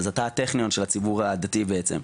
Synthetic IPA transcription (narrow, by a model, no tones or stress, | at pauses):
azat̪at̪eχnijo̞nʃelat͡sibuʁad̪atibeet͡sḛm